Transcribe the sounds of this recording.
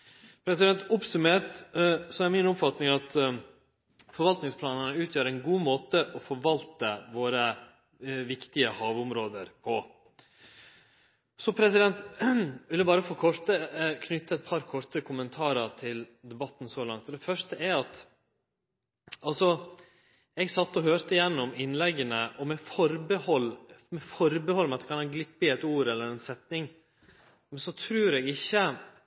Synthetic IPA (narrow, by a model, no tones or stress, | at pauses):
pʰɾɛsɪd̪ɛnt̪ʊpsʉmeːɾtsɔɛɾmɪnʊpfɑt̪nɪŋɑt̪ | fɔɾʋɑlt̪nɪŋspʰlɑːnənəʉːt̪ʰjøːɾɛnɡuːmoːt̪əʔɔfɔɾʋɑlt̪əʋoːɾə | ʋɪkt̪ɪəhɑːʋʊmɾoːd̪əɾpʰɔ | sɔpʰɾɛs̬ɪd̪ɛnt̪ʋɪlːəbɑːɾəfɔɾkʰɔɾt̪əkʰnʏt̪ːəɛt̪̚pʰɑɾkʰɔɾt̪əkʰʊmənt̪ʰɑːɾɑʈ̪ʰɪld̪ɛbɑt̪ːn̩sɔlɑŋt̪ɔd̪ɛfœʂʈəʔɛɾɑt̪ | ɑlsɔ | ɛɡsɑt̪ːɔɦøːɾt̪əɪjɛnːɔmɪnːlɛɡːənəʔɔmɛfɔɾbəhɔlmɛfɔɾbəhɔlːmɛɑt̪ɛkʰɑnhɑnɡlɪpːɪɛt̪uːɾɛlːəɾɛnsɛt̪nɪŋ | mɛnsɔt̪ʰɾʉːɾɛɡɪçːə